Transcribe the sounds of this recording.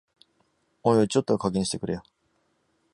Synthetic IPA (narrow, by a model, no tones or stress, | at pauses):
õɰ̃ot͡ɕo̞t̪ːokaɡẽɕi̥t̪e̞kɯ̟ɾejo